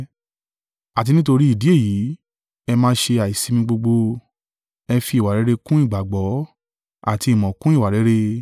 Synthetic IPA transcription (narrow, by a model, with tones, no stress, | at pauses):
a˨t̬i˧nĩ˦to˧ɾi˦i˦˨di˨˦e˦˨ji˨˦ | ɛ˧mãː˦˧˦ʃe˧a˨i˨si˧mĩ˧ɡ͡bo˧ɡ͡bo˧ | ɛ˧fi˧˦˨wa˨ɾɛ˨˦ɾe˧kũ˦i˦˨ɡ͡ba˨ɡ͡bɔ˨˦ | a̰˦˨ti˧i˨mɔ̃˨kũ˦i˦˨wa˨ɾɛ˨˦ɾe˧